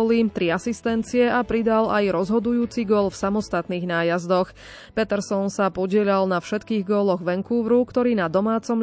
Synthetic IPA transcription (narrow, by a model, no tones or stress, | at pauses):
lit̪ɾiasist̪ɛnt͡siɛapɾid̪alajɾɔzɦɔd̪ujuːt͡siɡʊɔlfsamɔst̪at̪niːɣnaːjazd̪ɔx | pɛt̪ɛɾsɔnsapɔɟɪɛʎalnafʃɛt̪kiːɣɡɔlɔɣʋɛŋkuːʋɾukt̪ɔɾiːnad̪ɔmaːt͡sɔm